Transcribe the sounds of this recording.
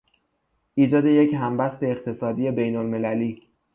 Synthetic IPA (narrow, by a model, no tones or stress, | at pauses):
ʔiːd͡ʒɒːd̪e̞je̞cɦæmbæst̪e̞ːqt̪ʰe̞sɒːd̪iːe̞be̞jnolme̞læliː